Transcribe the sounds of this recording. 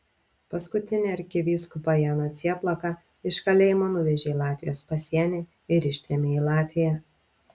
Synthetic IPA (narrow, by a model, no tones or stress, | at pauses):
pɐskʊt̪ʲɪnʲɛɐɾʲkʲɪʋʲiːskʊpɑjɛnɐt̪sʲiɛplˠɐkɑ | ɪʃkɐlʲeːjɪmoːnʊʋʲɛʒʲeːilˠɑːt̪ʲʋʲɪjoːspɐsʲiɛnʲe | ɪɾɪʃʲt̪ʲɾʲɛmʲeiːlˠɑːt̪ʲʋʲɪjæ